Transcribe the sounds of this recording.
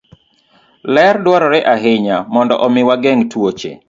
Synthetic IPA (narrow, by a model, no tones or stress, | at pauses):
lɛrdwɔɾɔɾɛʔaɦɪɲamɔndɔ̰ʔɔmɪwaɡɛŋtwot͡ʃḛ